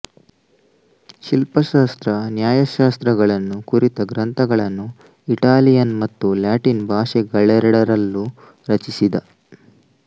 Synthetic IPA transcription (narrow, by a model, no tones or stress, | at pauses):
ʃilpɐʃaːst̪ɾɐnjaːjɐʃaːst̪ɾɐɡɐɭɐnːukuɾit̪ɐɡɾɐnt̪ʰɐɡɐɭɐnːu | iʈaːlijɐnmɐt̪ːuljaːʈinbʱaːʃɛɡɐɭːɛɾɐɽɐɾɐlːu | ɾɐt͡ʃisid̪ɐ